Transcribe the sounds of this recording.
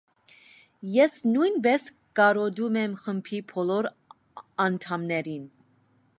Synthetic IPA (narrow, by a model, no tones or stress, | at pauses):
jɛsnujnbɛs | kɑɾɔd̪umɛmχəmpʰipʰɔlɔɾ | ɑnt̪ʰɑmnɛɾin